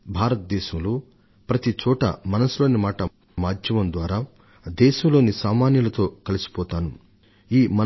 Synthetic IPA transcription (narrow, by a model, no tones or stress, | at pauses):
bʱaːɾɐt̪̚d̪ɛːʃɐmlu | pɾɐt̪it͡ʃɔːʈɐ̰mɐnɐsulo̞ːnimaːʈɐ | maːd̪ʱjɐmɐmd̪ʋaːɾaː | d̪ɛːʃɐmlo̞ːnisaːmaːnjɐlɐt̪o̞ːkɐlisi̥pɔːt̪aːnu | iːmɐ